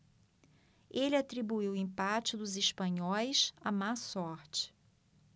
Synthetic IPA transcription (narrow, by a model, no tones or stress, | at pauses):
elɪat̪ɾibuiwĩpat͡ʃɪd̪ʊzɪʃpɐ̃ɲɔjsamasɔɾt͡ʃɪ̥